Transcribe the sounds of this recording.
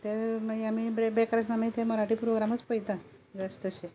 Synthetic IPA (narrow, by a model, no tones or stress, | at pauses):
t̪eməiam̤ibɾebekɾasnamit̪ʰeməɾaʈiːpɾoɡɾamət͡spəjt̪ã | d͡zast̪əɕe